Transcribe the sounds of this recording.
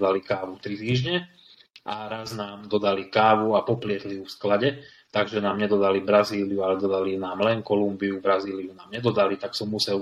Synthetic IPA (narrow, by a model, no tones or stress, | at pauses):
d̪alikaːʋuft̪ɾit̪iːʒɲɛ | ʔaɾaznaːmd̪ɔd̪alikaːʋuapɔplɪɛxlijufsklaɟɛ | t̪aɡʒɛnaːmɲɛd̪ɔd̪alibɾaziːlijualɛd̪ɔd̪alinaːmlɛnkɔlumbiubɾaziːliunaːmɲɛd̪ɔd̪alit̪aksɔmːusɛl